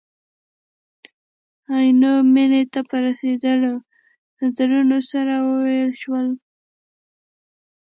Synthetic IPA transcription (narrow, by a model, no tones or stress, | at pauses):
ajnominet̪apəɾased̪əlo | nazaɾunosaɾawəwajəlʃwəl